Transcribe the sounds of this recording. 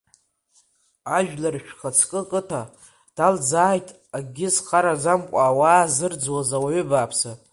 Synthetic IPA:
aʒᶣlarʃᶣχat͡sʰkʼɨkʼɨtʰa | d̥ald͡zaːjtʼ | aɡʲɪzχaɾad͡zamkʷʼaːwaːzɨrd͡zwazawaɥʏbaːpʰsa

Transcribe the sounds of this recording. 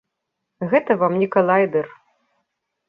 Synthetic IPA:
ɣɛt̪ɐvamnʲikɐlˠajd̪ɛr

